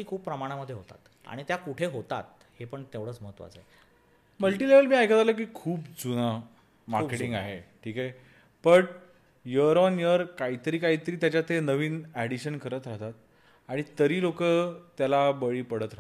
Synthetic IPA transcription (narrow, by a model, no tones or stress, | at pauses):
iːkʰuːpːɾəmaɽ̃aməd̪ʱːjeɦot̪a̰t̪ | a̰ɽ̃it̪jakuʈʰeɦot̪a̰t̪̚ | hepəɳt̪eʋɽəːt͡sməɦət̪ʋa̰t͡saj | məlʈileʋəlmiːajkʰad͡zalək̬iːkʰuːpd͡zuna | maɾkeʈĩŋɡaɦeʈʰiːkae | b̥əʈ | jəɾɔnjəɾkait̪əɾiːkait̪əɾiːt̪jat͡ɕat̪enəʋiːnæɽiɕənkəɾət̪ɾaɦt̪at̪̚ | aɽ̃it̪əɾiːlokət̪jalabəɭiːpəɽət̪ɾa